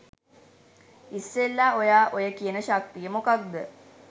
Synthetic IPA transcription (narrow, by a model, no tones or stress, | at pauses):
isːelːaojaːʔojəkijənəʃak̚t̪ijəmokak̚d̪ə